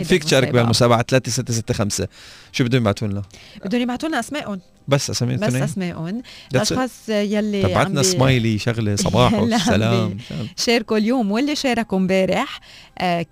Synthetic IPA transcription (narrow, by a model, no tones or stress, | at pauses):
fiːkt̪ʃɑːɾˤɑkbialmʊsaːbaʕat̪alaːt̪esɪt̪ːes̬ɪt̪ːexamseʃuːbɪd̪ːʊnjɪbʕat̪uːnlabɪd̪ːʊnjɪbʕat̪uːnaʔasmeːʔʊn | basːʔasamːḭb̪nːʔasmeːʔʊnʔɑʃʃxɑːsˤjalːiaaʕaat̪nasˤmajliʃaɣlsˤɑ̰bɑːħlsa̰laːma̰ʃeːɾkuljoːmwɪlːiʃeːɾˤɑkʊmbeːɾɪħ